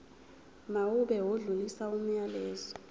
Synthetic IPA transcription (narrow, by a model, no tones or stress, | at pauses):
mawuɓɛwoɮulisaum̩ɲalɛːzɔ̥